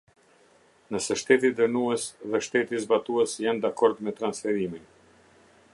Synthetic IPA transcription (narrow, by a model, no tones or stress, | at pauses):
nəsɛʃt̪ɛt̪̬id̪əɾnuɛsðɛʃt̪ɛt̪izbat̪uɛsjand̪akɔɾd̪mɛt̪ɾansfɛɾimin